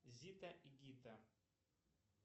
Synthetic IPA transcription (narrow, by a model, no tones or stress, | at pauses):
zʲit̪ɐʔiɡʲit̪ɐ